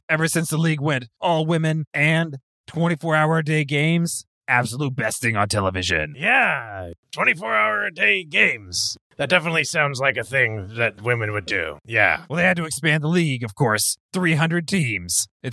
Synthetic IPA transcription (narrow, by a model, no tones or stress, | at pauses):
ɛvə˞sɪ̃nsðəliɡwɛ̃ntɔlˠwɪ̃mɨ̃nɨ̃n | tʰw̥ɛ̃ɾ̃ifɔɹaʊə˞deɪɡẽɪ̃mz̥ | æb̥səlut̚b̥ɛstɪ̃ŋə̃ntʰɛlˠəvɪʒɨ̰̃njæ | tʰw̥ɛ̃ɾ̃ifɔɹaʊə˞deɪɡẽɪ̃mz̥ | ðɨt̚d̥ɛfənətˡlisãʊ̃ndzlaɪkɨθɪ̃ŋðɨt̚wɪ̃mɨ̃nwɨdʉ̰jæ̰wɛlˠðeɪɨd̚tɨɨkspæ̃nðəliɡʌv̥kʰɔɹsθɹiɦʌ̃ndɹɨd̚tʰĩmz̥ɨt